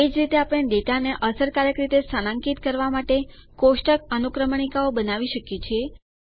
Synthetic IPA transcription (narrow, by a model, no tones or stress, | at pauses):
ed͡ʒɾit̪eapɽ̃ed̪eʈaneʔəsəɾkaɾjəkɾit̪esəlãŋkit̪kəɾʋamaʈekoʃʈək̚ənukɾəmɳ̃ikaobənaʋiʃəkjet͡ʃʰie